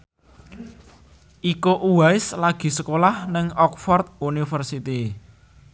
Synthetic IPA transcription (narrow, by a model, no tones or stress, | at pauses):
ʔikoʔuwaɪslaɡ̥i̤səkolahnɪŋɔkfɔrt̪̚unifərsit̪i